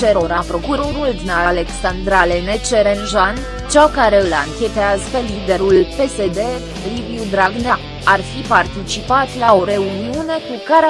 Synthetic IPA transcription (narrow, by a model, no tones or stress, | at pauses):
t͡ʃeɾo̞ɾapɾo̞kuɾo̞ɾuld̪inale̞ksand̪ɾalenet͡ʃe̞ɾenʒan | t͡ʃakaɾe̞ɨlaŋkʲe̞t̪eazpelid̪e̞ɾulpe̞se̞d̪e̞ | riviud̪ɾaɡna | arfipart̪it͡ʃipat̪lao̞ɾe̞uniune̞kukaɾ